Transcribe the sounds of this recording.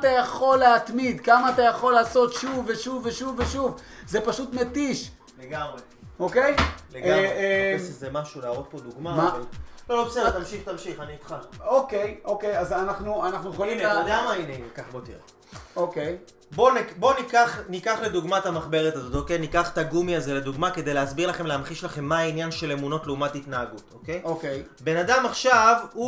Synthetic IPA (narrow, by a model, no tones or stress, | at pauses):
t̪ajaχo̞lːeat̪mid̪kamaːt̪ajaχo̞laːso̞t̪ʃuveʃuveʃuveʃuvzepaʃut̪metiʃ | leɡamʁe | ʔokejleɡaeeʃezemaʃulaːʁot̪̚po̞d̪uɡmamalolobesed̪et̪amʃiχt̪amʃiχaniit̪χaloke̞jokejazanaχnuanaχnuolimadamainenekaχbo̞t̪iʁe | okej | bo̞nibo̞nikaχnikaχle̞duɡmaetamaχbe̞ʁetazo̞tokejnikaχtaɡumiaze̞le̞d̪uɡmake̞d̪ejleasbiʁlaχe̞mleamχiʃlaχe̞mːainjanʃe̞le̞muno̞tleumatit̪naːɡutoke̞jokejbe̞nadamaχʃavu